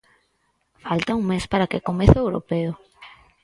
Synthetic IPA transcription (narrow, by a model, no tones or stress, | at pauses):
falt̪auŋmespaɾakekomeθʊewɾo̰peʊ